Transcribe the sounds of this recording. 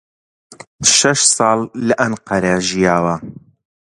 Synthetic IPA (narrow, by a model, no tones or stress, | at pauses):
ʃɐʃsɑːlˠːɐʔɐnqɐɾaʒijaːwɐ